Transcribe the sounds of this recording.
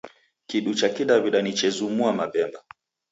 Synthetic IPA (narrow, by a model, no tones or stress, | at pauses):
kiɗut͡ʃakiɗaβiɗanit͡ʃɛzumuamaɓɛmba